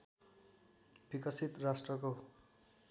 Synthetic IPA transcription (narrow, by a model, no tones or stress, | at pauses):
b̥ikʌsit̪rasʈrʌko